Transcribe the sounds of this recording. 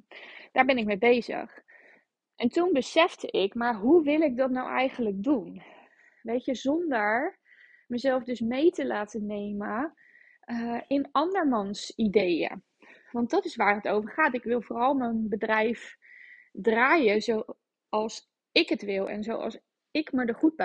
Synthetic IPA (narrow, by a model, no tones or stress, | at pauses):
d̥aːɹbɛnɪk̚mejbejzə̰χ | ʔɛntunbəsɛfdəʔɪkmaɹɦuʋɪlˠɪk̚dɑtnawʔɛ̰jχənləɡ̚dun | ʋejtjəzɔndəɹ | məzɛlˠfdɵsmejtəlaːtənejmə | ɪnɑndəɹmɑnsidejə̰ | ʋɑnt̚dɑtɪsʋaːɹɦətowvəɹχaːtɪkʋɪlˠvoːrɑlˠmənbədrɛjf | draːjəzow | ɑlˠs | ɪkətʋɪlˠɛ̰nzo̰wʔɑ̰lˠs | ɪkmədəχud̚bə